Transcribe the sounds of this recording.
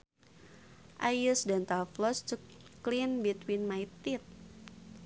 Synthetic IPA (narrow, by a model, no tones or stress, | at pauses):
ʔajusdant̪aflɔst͡ʃuklinbit̪winmajt̪it̪̚